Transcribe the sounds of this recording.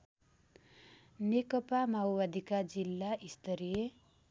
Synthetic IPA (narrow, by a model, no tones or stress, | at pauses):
nekʌpamaowbad̪ʱikad͡zilːaʔist̪ʌɾije